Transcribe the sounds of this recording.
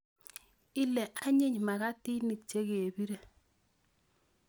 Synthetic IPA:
ɪ˦lɛ˨ʔa˦ɲɪ˦ɲma˨ka˦ti˦ni˨k̚t͡ʃe˦ke˨e˨bi˦ɾe˨

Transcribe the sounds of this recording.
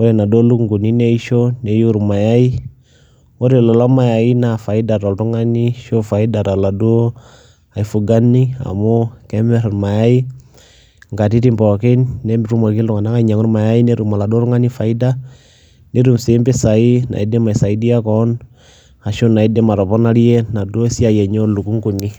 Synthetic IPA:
o˦ɾɛ˨na˨do˦lu˦ŋɡu˨ni˦nɛ˦i˦ʃo˦ne˨ju˦ɾu˨ma˨ja˦i˦ | o˦ɾe˨lɔ˨lɔ˦ma˦ja˨i˦na˨fa˨i˦da˨tɔ˨ltu˦ŋa˦ni˦ʃo˦fa˨i˦da˨ta˨la˨do˦ | a˨i˨fu˨ɡa˦ni˦a̰˨mo˦kɛ˦mɛ˦ɾa˨ɾma˨ja˦i˦ | ŋɡa˨ti˦ti˦mpɔ˨ke˦nːɛ˦mbɾu˦mɔ˨k̬i˦lʊ˨ŋa˨na˦ka˦ɲa˨ŋʊ˦ɾma˨ja˦i˦ne˦ɾu˨ma˨la˨du˦o˦ɾʊ˦ŋa˦ni˦fa˨i˦da˦ | ne˦ɾu˨mse˨˦mbɪ˦sa˨i˦na̰˨i˨˦dɛ˦ma˨i˨sa˨i˦di˦a˦kɔ˦n | a˨ʃo˦na˨i˦dɛ˦ma˨ɾɔ˨pɔ˦na˦ɾjɛ˦na˨do˦si˦a˨jɛ˨ɲɔ˦lu˨ku˦ŋku˨ni˦

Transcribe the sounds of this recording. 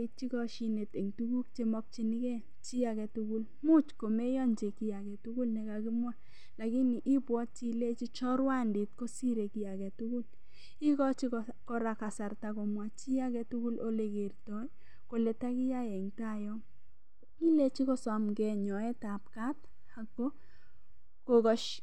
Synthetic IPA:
i˦t͡ʃi˦kɔ˦ʃi˦ne˨te˨ŋtu˦ɡu˦k̚t͡ʃe˦mɔ˦k̚t͡ʃi˦nɪ˦kɛ˦ | t͡ʃi˦a˨kɛ˨tu˦ku˦l | mu˦t͡ʃko˨me˦jɔ˦nd͡ʒe˨ki˦a˨kɛ˨tu˦ku˦lnɛ˨ka˨kɪ˦mwa˦ | la˨kɪ˦ni˨ʔi˦pwɔ˦tt͡ʃi˦le˦t͡ʃi˦t͡ʃɔ˦ɾwa˦ndɪ˨t̚ko˦si˦ɾe˨ki˦a˨kɛ˨tu˦ku˦l | i˦kɔ˦t͡ʃi˦k | kɔ˦ɾa˨ka˨sa˨rta˨ko˨mwa˨t͡ʃi˦a˦kɛ˨tu˦ku˦lo˦le˨ke˨ɾtɔ˨˦j | ko˨lɛ˨ta˦kɪ˦ja˦jɛ˨ŋta˦˨jɔ˦ŋ | i˦le˦t͡ʃi˦kɔ˦sɔ˨mɡɛ˨ɲɔ˨ɛ˦ta˨p̚ka˦t̚ | a˨ko˦ | ko˨ɡɔ˦ʃ

